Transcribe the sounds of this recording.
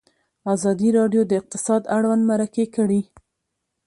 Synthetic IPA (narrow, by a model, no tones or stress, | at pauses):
ɑzɑd̪iɾɑɖjod̪əɪq̚t̪ɪ̥sɑd̪aɽwand̪maɾakekəɽi